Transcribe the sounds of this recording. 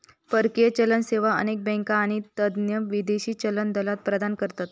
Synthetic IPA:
pəɾket͡ɕələnseʋaə̰nek̚bɛ̃ŋkaːɽ̃it̪əd̪njəʋid̪eɕiːt͡ɕələnd̪əlat̪̚pɾəd̪ankəɾt̪at̪

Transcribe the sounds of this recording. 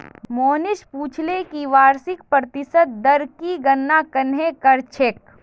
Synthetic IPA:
moːnɪʃpuːt͡ʃʰlekiʋaːɾsɪk̚pɾət̪ɪsət̪̚d̪ɐɾkiɡɐnːakɐnɦekɐɾt͡ʃʰek

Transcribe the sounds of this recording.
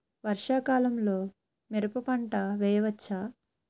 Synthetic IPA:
ʋɐɾʂaːkaːlɐmlo̞ː | meɾupɐpɐɳʈɐʋɛːjɐʋɐt͡ʃːaː

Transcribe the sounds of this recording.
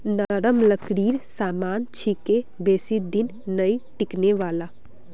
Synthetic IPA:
nəɾəmləkɽiːɾsamaːnt͡ʃʰikebesid̪inːəjʈikneʋaːla

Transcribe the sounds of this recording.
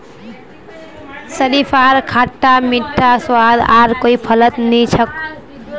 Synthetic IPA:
səlipʰaɾkʰaʈːamiʈʰːaswad̪aɾkoipʰələt̪nit͡ʃʰək̚

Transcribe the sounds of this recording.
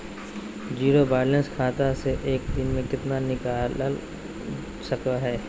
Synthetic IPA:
d͡ʒiːɾobaːlə̃nskʰaːt̪aseʔeːkd̪ɪnmẽkɪt̪nanɪkaːll | səkaɦɛː

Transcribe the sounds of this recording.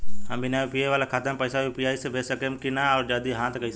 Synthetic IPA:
ɐ̃mbɪnaːipijeʋaːlakʰaːt̪əmpəːsaʋipijaːisebʱeːsəkemkɪnaɔːɾd͡ʒaːd̪iɦãːt̪ʰkɐis

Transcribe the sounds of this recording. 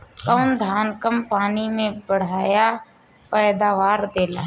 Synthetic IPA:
kəʊnd̪ʱaːnkəmpaːnimẽbəɽ̤aːja | pɛːd̪aːʋaːɾd̪eːla̰ː

